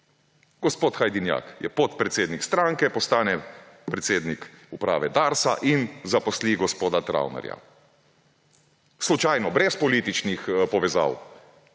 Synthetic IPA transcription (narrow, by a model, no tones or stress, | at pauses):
ɡ̥ɔspoːt̪xajd̪inja̰ːkjɛpɔt̪pɾɛt̪seːd̪nikst̪ɾaːŋkɛpɔst̪aːnɛpɾɛt̪seːd̪nikupɾa̰ːʋɛd̪aːɾsa̰ʔinzapɔsliɡɔspoːd̪at̪ɾa̰wna̰ɾja̰ | slut͡ʃajnɔbɾɛspɔliːt̪it͡ʃnixpɔʋɛza̰w